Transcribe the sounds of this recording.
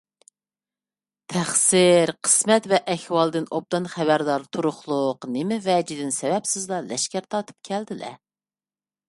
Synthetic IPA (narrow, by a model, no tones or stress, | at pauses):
t̪ʰæχsɪɾqʰə̥smɛt̪vɛʔɛhwɑlˠd̪ɨnob̚d̪ɑnχæbæɾd̪ɑɾt̪ʰuɾʊχlˠʊqnɪmɪvɛd͡ʒid̪ɪnsɛwɛpsɪzlˠɑlɛʃkʲæɾt̪ʰɑt̪ʰɨ̥p̚kʲʰɛld̪ɪlɛ̰